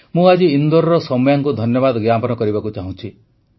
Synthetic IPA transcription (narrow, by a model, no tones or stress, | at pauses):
mũad͡ʒiːnd̪ɔɾɔɾɔsɔmɔjaŋkud̪ʱɔnjɔbad̪ɔɡjapɔnɔkɔɾibakut͡ʃaɦũt͡ʃʰi